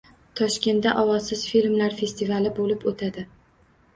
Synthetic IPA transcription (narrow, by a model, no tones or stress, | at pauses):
t̪ʰɒʃkʲe̞nt̪ːaʔɒwɒzsɪz̥filmlaɾfe̞st̪ʰivalɪbolɪpot̪ʰad̪ɪ